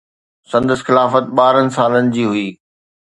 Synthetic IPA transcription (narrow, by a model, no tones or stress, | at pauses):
sɐ̃nd̪əsxɪlaːfət̪̚ɓaːɾənɪ̆saːlənɪ̆d͡ʑiːɦʊiː